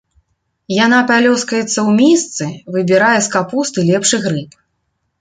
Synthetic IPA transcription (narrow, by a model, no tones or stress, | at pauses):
janapalʲɔskɐjɛt̪sːɐwmʲist̪sɨvɨbʲiɾajɛskapust̪ɨlʲɛpʂɨɣɾɨp̚